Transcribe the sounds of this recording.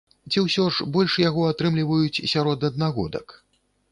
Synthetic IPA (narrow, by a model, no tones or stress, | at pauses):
t͡sʲiwsʲɔʐbɔlʲʂjaɣɔat̪ɾɨmlʲivɐjut͡sʲsʲaɾɔd̪ɐd̪naɣɔ̰d̪ɐ̰k